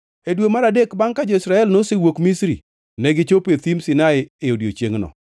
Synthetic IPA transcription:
edwemaɾadekbaŋkad͡ʒoisɾaɛlnosewokmisɾḭ | nɛɡɪt͡ʃopet̪imsɪnaɪɪodjo̰t͡ʃjeŋnɔ̰

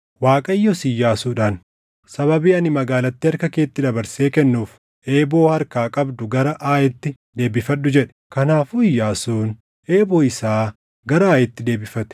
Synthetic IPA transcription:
waːkʼɐjːɔsɪjːaːsuːᶑaːn | sɐβɐbiːɐnɪmɐɡaːlɐt̪ːɪɐɾkɐke̞ːt̪ːɪd̪ɐbɐɾse̞ːkɛnːuːf | ʔe̞ːbo̞ːhɐɾkaːkʼɐbd̪ʊɡɐɾɐʔaːjɛt̪ːɪ | d̪e̞ːbɪfɐᶑːʊd͡ʒɛᶑɛ̥kɐnaːfʊɪjːaːsuːn | ʔe̞ːboːɪsaː | ɡɐɾɐaːjɛt̪ːɪd̪e̞ːbɪfɐt̪ɛ̥

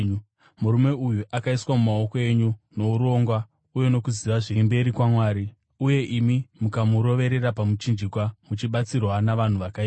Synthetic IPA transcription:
muɾume̞ujuʔakaiswamumao̞koe̞ɲuno̞uɾo̞ŋɡwa | uje̞no̞kuziʋaʐembe̞ɾikwamwaːɾi | uje̞ʔimimukamuɾo̞ʋe̞ɾeɾapamut͡ʃind͡ʒikwamut͡ʃiɓat͡sirwanaʋan̤uʋakai

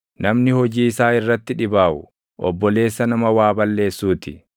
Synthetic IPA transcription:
nɐmnɪhɔd͡ʒiːɪsaːɪrːɐt̪ːɪᶑɪbaːʔʊ̰ | ʔɔ̰bːɔle̞ːsːɐnɐmɐwaːbɐlːe̞ːsːuːt̪ɪ

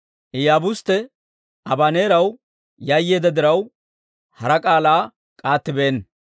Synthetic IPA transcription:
ʔɪjaːbʊst̪ːɛ | ɐbɐne̞ːɾɐw | jɐjːeːd̪ɐd̪ɪɾɐw | hɐɾɐkʼaːlaː | kʼaːt̪ːɪbe̞ːn

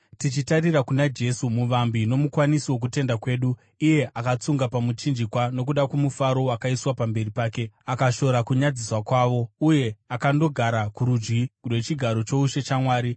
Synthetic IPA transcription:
tit͡ʃitarirakunad͡ʒe̞sumuʋambino̞mukwanisiwo̞k̬ute̞ndakwe̞ːɗuː | je̞ʔakat͡suŋɡapamut͡ʃind͡ʒikwano̞kuɗakwemufaɾo̞wakaiswapambe̞ripaːkeakaʃo̞ɾakuɲad͡ziswakwaːʋo̞uje̞akando̞ɡʱaɾakuɾud͡ʒɡirwe̞t͡ʃiɡʱaɾo̞t͡ʃo̞uʃe̞t͡ʃamwaːɾi

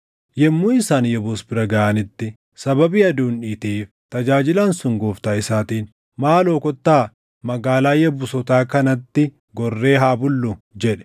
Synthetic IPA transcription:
jɛmːuːɪsaːnjɛboːsbɪɾɐɡɐʔanɪt̪ːɪ | sɐbɐbiːɐd̪uːnᶑiːt̪iːf | t̪ɐd͡ʒaːd͡ʒɪlaːnsʊŋɡoːft̪aːɪsaːt̪iːn | maːloːkɔt̪ːaː | mɐɡaːlaːjɛbʊsɔt̪aːkɐnɐt̪ːɪ | ɡɔrːe̞ːɦaːbʊlːʊd͡ʒɛᶑɛ̥

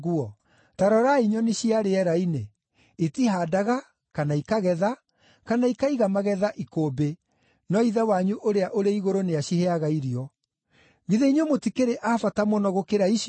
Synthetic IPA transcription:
ɣuɔ | taɾɔɾaiɲɔneɕiaɾeɛɾaine | etiɦaːdaɣa | kanaikaɣɛða | kanaikaiɣamaɣɛðaʔikoːbe | nɔiðawaɲuʔoɾeaʔoɾeiɣoɾoneaɕiheaɣaiɾiɔ | ɣiðeiɲomotikeɾeʔafatamɔnɔɣokeɾai

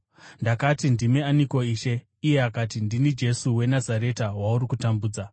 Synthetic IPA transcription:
ndakatindimeaniko̞iːʃe̞ | ije̞akatindinid͡ʒe̞suwe̞nazaɾe̞tawauɾikutambuːd͡za

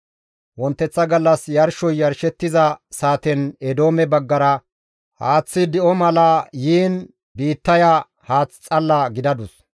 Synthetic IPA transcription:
wɔnt̪ːɛt͡sːɐɡɐlːɐsjɐɾʃɔjːɐɾʃɛt̪ːɪzɐsaːt̪ɛnɛd̪o̞ːmɛbɐɡːɐɾɐ | haːt͡sːɪd̪ɪʔɔmɐlɐjiːn | biːt̪ːɐja | haːt͡sːt͡sʼɐlːɐɡɪd̪ɐd̪ʊs

